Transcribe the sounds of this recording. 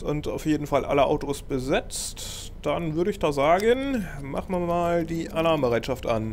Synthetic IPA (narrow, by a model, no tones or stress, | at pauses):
ʊnta̰ʊfjeːdn̩falʔa̰ləʔa̰ʊtoːsb̥əzɪt͡st | d̥anvʏɐɾəɪçd̥aːzaːɡən | ma̰χmamaːldiːʔanaːməbəʁaɪtʃaftʔa̰n